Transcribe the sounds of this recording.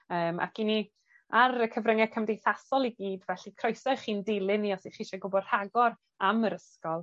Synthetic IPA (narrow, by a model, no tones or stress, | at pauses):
əːmʔa̰kʰini | aɾəkʰəvrəŋɛkʰəmdejθasɔlˠiɡiːdvɛɬikʰrɔjsɔχiːndɪlˠɨniɔsiχiʃaɡʊbɔd̥r̥aɡɔɾ | aməɾəskɔlˠ